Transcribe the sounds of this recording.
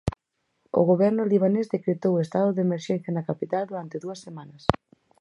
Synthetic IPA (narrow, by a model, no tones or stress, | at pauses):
o̰ɣ̞oβɛɾnʊliβ̞anezðekɾet̪owest̪aðʊðemeɾʃen̟θjɐnɐkapit̪ald̪uɾant̪eðuɐsːemanɐs